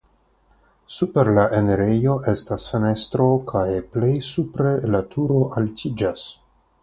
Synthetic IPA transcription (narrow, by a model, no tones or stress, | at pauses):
supe̞ɾlaʔe̞ne̞ɾejo̞ʔe̞stasfene̞stɾo̞kʰajple̞jsupɾe̞latʰuɾo̞ʔaltʰid͡ʒas